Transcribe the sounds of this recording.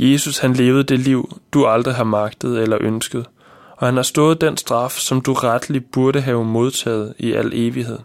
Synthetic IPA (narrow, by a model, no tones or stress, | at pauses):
je̝sushænle̝ːʊð̞̩ˠd̥e̝liʊ̰d̥uɑ̈ld̥ʁiɦɑmɑ̈ɡ̥d̥əð̞̩ˠelɐʔønsɡ̥əð̞̩ˠ | ɒ̽hænhɑ̈sd̥ɔ̽ːð̞̩ˠd̥ensd̥ʁɑ̈fsɒ̽md̥uʁad̥əlib̥uɐɾəɦɛːʊmo̝ð̞ˠt͡sʰɛ̰ːð̞̩ˠiʔæ̰l̰e̝ːʋiɦe̝ð̞̰ˠ